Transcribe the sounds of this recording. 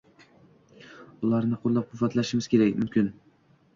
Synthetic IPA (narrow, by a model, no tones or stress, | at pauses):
ʊlˠaɾnɪqʰolˠːap̚qʰʊvːat̪laʃɪmɪz̥kʲʰe̞ɾakʲmʊmkʲɪn